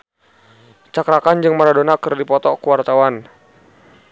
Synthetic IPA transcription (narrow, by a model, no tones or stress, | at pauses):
t͡ʃakɾakand͡ʒɨŋmaɾadonakərdipɔt̪ɔkəwart̪awan